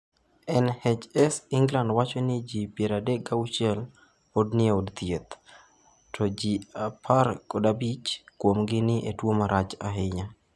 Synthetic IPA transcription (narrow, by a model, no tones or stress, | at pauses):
ɛnhɛd͡ʒɛsɪŋɡlandwat͡ʃonɪd͡ʒipjeɾadɛkawʃiɛl | podnɪodt̪jet̪ | tʰɔd͡ʒiapʰaɾkodabit͡ʃkwomɡɪnɪʔetwomaɾat͡ʃaɦɪɲa